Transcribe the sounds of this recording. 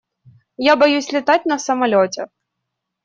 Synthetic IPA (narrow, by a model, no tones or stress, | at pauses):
jabɔjusʲlʲɪt̪atʲnɐsɐmɐlʲɔtʲɛ